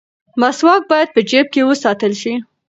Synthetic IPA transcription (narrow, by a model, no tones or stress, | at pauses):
maswɑk̚bɑjad̪̚pəd͡ʒep̚kewəsɑt̪əlʃi